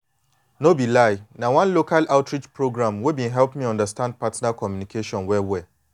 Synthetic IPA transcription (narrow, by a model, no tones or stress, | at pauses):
nobilaɪnãwãnlokʰalaʊtɹit͡ʃpʰɹoɡɹãmwebĩɦɛlpmĩɔ̃ndəstãnd̚pʰatnakʰɔmjũnikʰeʃɔ̃nwɛwɛ